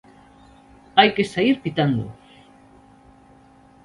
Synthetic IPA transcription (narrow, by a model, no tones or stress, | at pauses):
ajkesaiɾpit̪and̪o̰